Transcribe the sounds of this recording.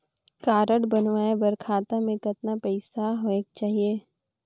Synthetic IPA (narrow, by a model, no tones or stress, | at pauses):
kaːɾəɽbɐnʋaːebɐɾkʰaːt̪amẽkɐt̪napɛɪsaɦoːekt͡ʃaːɦieː